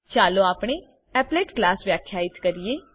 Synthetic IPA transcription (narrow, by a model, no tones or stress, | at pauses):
t͡ʃaːloːaːpɽ̃eː | ɛːpleːʈklaːsʋjaːkʰːjaːɪt̪kəɾieː